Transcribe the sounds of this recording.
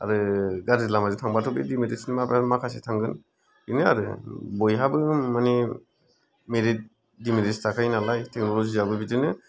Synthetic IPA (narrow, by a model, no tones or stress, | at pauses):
a̰ɾɯɡaɾzilamazutʰaŋbatʰɔbidimidesnimapɾanmakʰasetʰaŋɡɯn | ɯnɯa̰ɾɯ̰bɔjɦabɯmani | meɾit̚ | dimiɾistʰakʰajnalajtʰek̚nɔlɔziabɯbidɯnɯ